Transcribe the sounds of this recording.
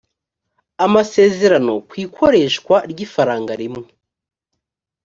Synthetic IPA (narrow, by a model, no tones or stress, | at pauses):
amase̞ːze̞ɾano̞kwiːkʰo̞ɾe̞ːʃkwaɾɟiːfaɾaːŋɡaɾimŋe